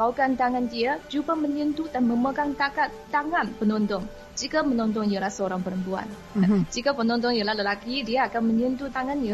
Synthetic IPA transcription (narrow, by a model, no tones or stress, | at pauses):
kawkant̪aŋandiad͡ʒupaməɲənt̪udanməməkant̪akat̪ːaŋanpənɔnt̪ɔŋ | d͡ʒikamənɔnt̪̬ɔŋjəlahsəoɾaŋpəɾəmpua̰n | d͡ʒikapənɔnt̪ɔŋjəlaləlakidiaːkanməɲənt̪ut̪aŋanjə